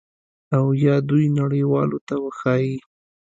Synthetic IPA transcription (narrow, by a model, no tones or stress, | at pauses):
awjɑd̪ujnaɽəjwɑlot̪awəxɑji